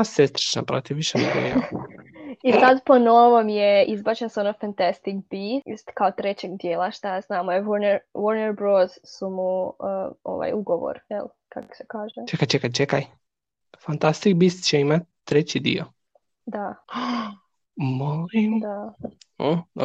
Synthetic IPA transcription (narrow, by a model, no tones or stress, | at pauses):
asest̪ɾit͡ʃna̰pɾot̪iʋiʃenḛɡo̰ja | isad̪ponoʋomjeizbaːt͡ɕenseonofant̪ast̪ikbiːsst̪kaot̪ɾet͡ɕeɡd̪jeːlˠaʃt̪aznaːmoeʋoɾneɾʋoɾneɾbɾoːz̥sumu | o̰ʋa̰juɡoʋo̰ɾjḛl | kako̥sekaːʒet͡ʃekajt͡ʃekajt͡ʃekaj | fant̪ast̪ik̚bist̪t͡ɕeimat̪t̪ːɾet͡ɕid̪ḭo | d̪a | molimd̪a